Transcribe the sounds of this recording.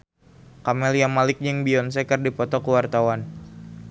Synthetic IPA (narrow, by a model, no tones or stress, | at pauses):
kamɛlijamalɪk̚ɲəŋbiɔnsɛkərdipɔt̪ɔkəwart̪awan